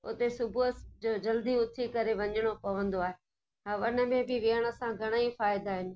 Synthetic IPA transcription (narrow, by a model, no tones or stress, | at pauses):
ʊ̰t̪esʊbʱuəsd͡ʑod͡ʑɐld̪iʊt̪ʰikɐɾeʋɐɲəɽ̃opɐʋə̃nd̪oaːɦe | ɦaʋənə̆mẽbɪʋiəɽ̃ə̆sãɡʱɐɽ̃aːifaːɪd̪aːɦɪnɪ̆